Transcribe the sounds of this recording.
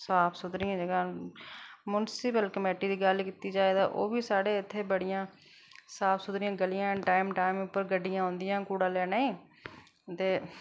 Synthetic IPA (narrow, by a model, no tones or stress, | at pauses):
saːpʰsʊd̪ɾɪjãːd͡ʒəɡãː | mʊnsɪpəlkəmeːʈiːd̪iːɡəlkiːt̪iːd͡ʒaːeːd̪aːʔo̰ːbiːsaːɽeːɪt̪ʰːeːbəɽɪjãː | saːpʰsʊd̪ɾɪjãːɡəlɪjãːʈaːɪmʈaːɪmʊpːəɾɡəɖːɪjãːɦõːnd̪ɪjãːkuːɽãːlɛːnaːĩː | t̪eː